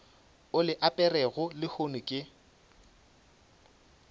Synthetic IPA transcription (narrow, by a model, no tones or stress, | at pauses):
ʊlɪʔapʼɛrɛɣʊlɪhonʊkʼɪ